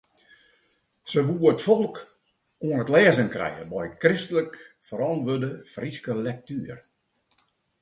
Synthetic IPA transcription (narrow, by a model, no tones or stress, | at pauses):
səʋuəətfɔlˠk | uənətlɛːzənkrɛ̰jə̰bɔjkrɪstələk | fəɾɔnʋødəfriskəlɛk̚tyːər